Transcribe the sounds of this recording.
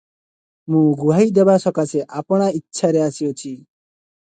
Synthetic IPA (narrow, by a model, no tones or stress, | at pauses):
mũɡuɦajd̪ebasɔkaseʔapɔɽ̃aitːʃʰaɾeasiot͡ʃʰi